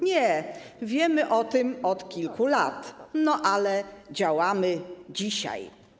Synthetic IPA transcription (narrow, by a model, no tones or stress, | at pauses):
ɲɛvʲjɛmɘʔɔt̪ɘmɔt̪kʲilkulat̪nɔʔalɛd͡ʑawamɘd͡ʑiɕa̰j